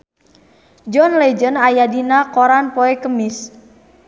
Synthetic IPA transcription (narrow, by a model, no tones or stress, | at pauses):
d͡ʒɔnled͡ʒənajadinakoɾanpɔɛkəmɪs